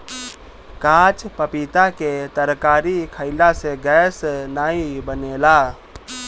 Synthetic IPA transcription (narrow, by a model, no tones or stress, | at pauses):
kãt͡ʃpəpit̪aket̪əɾkaɾikʰəɪlaseɡɛsnaibənela